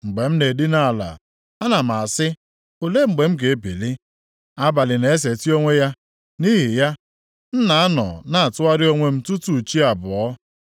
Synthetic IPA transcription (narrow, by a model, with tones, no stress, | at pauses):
ŋ͡m̩˨ɡ͡be˨m̩˦ne˨di˦na˨la̰˨ | a˦na˨m̩˨a˨sɪ˦ | o˨le˦ŋ͡m̩˨ɡ͡be˨m̩˦ɡe˨e˦bḛ˨li˦ | a˦ba˨lɪ˨ne˨e˦s̬e˨ti˦o˦ŋʷe˦ja˦ | ni˦ɦi˨ja˦ | n̩˦na˨a˦nɔ̰˨na˦a˨tʊ˦a˦ɾɪ˦o˦ŋʷe˦m̩˦tu˦tu˨t͡ʃi˦a˨bʊ˨ɔ˦